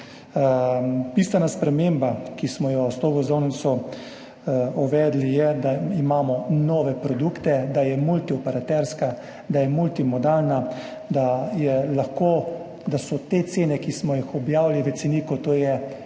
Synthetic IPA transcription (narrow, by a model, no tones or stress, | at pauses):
piːst̪ʋɛnaspɾɛmembakismɔjɔst̪oːɡɔzɔwnisɔ | ɔʋɛːd̪lijɛd̪aimaːmɔnɔːʋɛpɾɔd̪ukt̪ɛd̪ajɛmult̪iɔpɛɾat̪ɛɾska | d̪ajɛmult̪imɔd̪aːlna | d̪ajɛlaxko | d̪asɔt̪et̪seːnɛkismɔjixɔbjaːwliʋɛt̪siniːkɔt̪oːjɛ